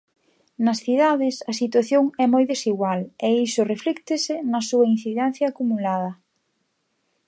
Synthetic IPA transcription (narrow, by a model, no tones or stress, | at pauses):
nɐsθiðaðɪsɐsit̪waθjoŋɛmojðesiɣwalɛisʊreflikt̪ɪsɪnɐsuɐin̟θiðɛn̟θjɐːkumulaðɐ